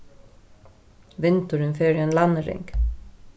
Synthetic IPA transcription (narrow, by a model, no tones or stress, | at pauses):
ʋɪnt̪əɾənfeːɾəeːnlɑnəɾɪ̰ŋk